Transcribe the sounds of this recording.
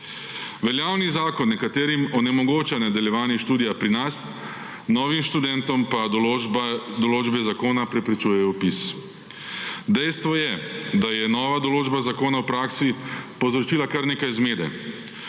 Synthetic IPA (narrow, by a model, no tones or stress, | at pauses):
ʋɛljaːwnizaːkɔnːɛkat̪eːɾimɔnɛmɔɡoːt͡ʃanad̪ɐljɛʋaːniʃt̪uːd̪ijapɾinas | nɔːʋimʃt̪ud̪ɛnt̪ɔmpa | d̪ɔloːd͡ʒbɛzakoːnapɾɛpɾit͡ʃuːjɛupis | d̪ɛjst̪ʋɔjɛd̪ajɛnɔːʋad̪ɔloːd͡ʒbazakoːnawpɾaːksipɔzɾɔt͡ʃiːlakaɾneːkajzmeːd̪ɛ̰